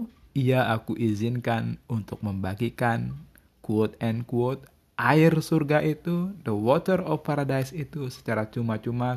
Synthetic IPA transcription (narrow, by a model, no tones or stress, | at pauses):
iaakuʔizɪnkanunt̪ʊk̚məmbaɡikan | kuot̪̚ɛnkuwot̪̚ | ʔaɪrsurɡaʔit̪udəwɔt̪ərɔfpaɾadajsit̪usə̥t͡ʃaɾat͡ʃumat͡ʃuma